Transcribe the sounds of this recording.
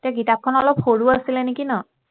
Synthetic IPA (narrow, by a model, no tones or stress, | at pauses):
taɡitap̚kʰɔnɔlɔpxoɹuasilɛnekinɔ